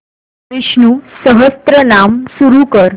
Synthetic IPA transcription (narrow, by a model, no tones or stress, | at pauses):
iʂnusəɦəst̪ɾənamsuɾukəɾ